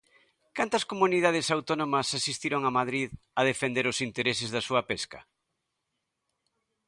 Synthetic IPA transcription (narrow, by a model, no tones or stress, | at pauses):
kant̪ɐskomunið̞að̞ɪsawt̪onomɐsasist̪iɾoŋɐmaðɾið | ɐðefend̪eɾʊsint̪eɾesɪzðɐsuɐpeskɐ̰